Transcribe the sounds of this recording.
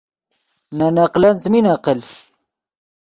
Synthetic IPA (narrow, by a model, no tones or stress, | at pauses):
nanaqlɐnt͡sminaqəl